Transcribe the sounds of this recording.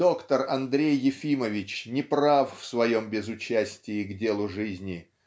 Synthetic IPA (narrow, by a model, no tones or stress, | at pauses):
o̞kt̪ərɐnd̪ɾʲejːɪfʲiməvʲɪt͡ɕnʲɪpɾaffsvɐjo̞mbʲɪzʊt͡ɕæsʲtʲɪɪɡdʲe̞lˠʊʐɨzʲnʲɪ